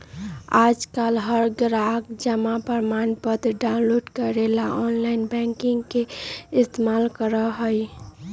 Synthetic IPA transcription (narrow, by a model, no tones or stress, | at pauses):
ad͡ʒkalɦəɾɡɾaɡd͡ʒəmapəɾmanpəd̪ɖaʊnloɖkəɾelaʔɔnlaɪnbɛ̃ŋkiŋɡkeɪst̪emalkəɾəɦəj